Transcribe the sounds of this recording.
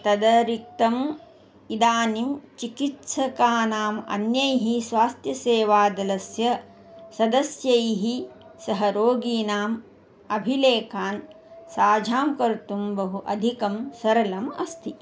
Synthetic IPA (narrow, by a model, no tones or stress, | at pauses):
t̪ɐd̪ɐɾik̚t̪ɐm | id̪aːnimt͡ʃikit̪sɐkaːnaːmɐ̰njɐjɦisʋaːst̪ʰjɐseːʋaːd̪ɐlɐsjɐ | sɐd̪ɐsjɐjɦi | sɐɦɐɾoːɡiːnaːm | ɐbʱileːkaːn | saːd͡ʒʱaːmkɐɾt̪umbɐɦuʔɐd̪ʱikɐmsɐɾɐlɐmɐst̪ʰi